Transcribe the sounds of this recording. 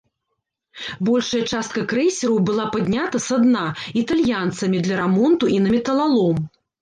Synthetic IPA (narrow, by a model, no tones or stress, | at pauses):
bɔlʲʂɐjɐt͡ʂast̪̚kɐkɾɛjsʲiɾɐwbɨlˠapad̪ʲnʲat̪ɐsad̪nait̪alʲjant̪sɐmʲid̪lʲɐɾɛmɔnt̪uʔinɐmʲɛt̪ɐlˠalˠɔm